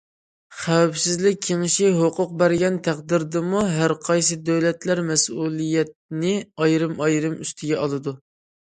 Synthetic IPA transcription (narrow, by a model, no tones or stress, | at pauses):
χæwɛpsɪzlɪk̚ʲʰːeŋɪʃiɦoqʊq̚bæɾɡʲɛnt̪ʰæqd̪ɪɾd̪ɨmuɦæɾqʰɑjsɨd̪øwlɛt̪læɾmɛsulˠijɛt̪̚nɪɑjɾɨmɑjɾɨmyst̪ʰɪɡʲɛʔɑlˠɨd̪u